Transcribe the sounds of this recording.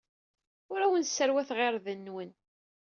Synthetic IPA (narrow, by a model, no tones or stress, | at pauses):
ʊɾæwənsːəɾwæθʁɪɾðənːwən